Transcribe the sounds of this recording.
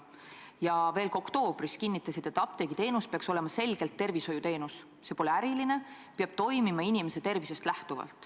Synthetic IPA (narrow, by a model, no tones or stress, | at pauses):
jɑve̞ːlko̞kt̪o̞ːb̥riskinːit̪ˑːɑsid̪̥et̪ːˑɑp̚t̪eɡ̥it̪e̞ːnuspeɑkso̞le̞mɑse̞lɡ̥e̞lt̪ːe̞rviso̞jut̪e̞ːnus | se̞po̞leæɾiline̞ | peɑb̥̚t̪o̞jmimɑinime̞se̞t̪e̞rvise̞st̪læht̪uvɑ̰lt̪ˑ